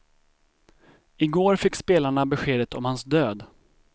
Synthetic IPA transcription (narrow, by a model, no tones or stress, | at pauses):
ɪɡoːɾfɪkːspeːlaɳabɛɧeːd̪ət̪ʰɔmhansd̪øːd̪